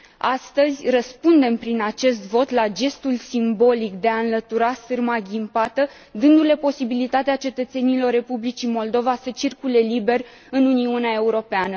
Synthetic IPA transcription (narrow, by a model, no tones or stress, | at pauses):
ast̪əzʲrəspund̪e̞mpɾinat͡ʃe̞st̪vo̞t̪lad͡ʒe̞st̪ulsimbo̞likd̪e̞aɨnlət̪uɾasɨrmaɡʲimpat̪ə | d̪ɨnd̪ule̞po̞sibilit̪at̪eat͡ʃe̞t̪ət̪se̞nilo̞rːe̞publit͡ʃimo̞ld̪o̞vasət͡ʃirkule̞libe̞rʲ | ɨnuniuneae̞uɾo̞peanə